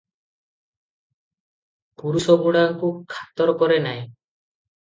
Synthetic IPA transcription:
puɾusɔɡuɽaŋkukʰḁt̪ɔɾɔkɔɾenaj̃

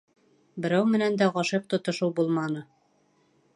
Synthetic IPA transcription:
bɘ̆ɾæwmɘ̆nænd̪æʁɑʃɤq̚t̪ŏt̪ŏʃɤwbulˠmɑnɤ

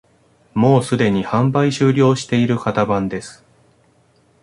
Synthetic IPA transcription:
mo̞ːsɨd̪e̞ɲ̟ihãmbaiɕɨːɾʲo̞ːɕi̥t̪e̞iɾɯ̟kat̪abãnd̪e̞sɨ̥

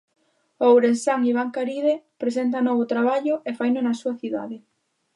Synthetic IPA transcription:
owɾensaŋiβ̞aŋkaɾiðepɾesent̪̬anɔβʊt̪ɾaβaʎʊefajnʊnɐsuɐθiða̰ðɪ

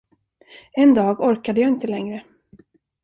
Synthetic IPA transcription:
ɛnd̪ɑːɡɔɾkad̪əjɑːɪnt̪əlɛŋɾə

